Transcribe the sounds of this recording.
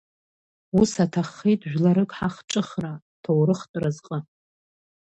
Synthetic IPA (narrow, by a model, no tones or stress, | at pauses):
usatʰaχːejtʼʒᶣlaɾɨkʼħaχʈ͡ʂʼɨχra | tʰowɾɨχtʼrazqʼə